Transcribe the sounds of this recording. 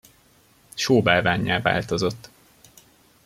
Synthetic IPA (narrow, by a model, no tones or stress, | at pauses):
ʃoːbaːlvaːɲːaːva̰ːlt̪o̞zo̞t̪ː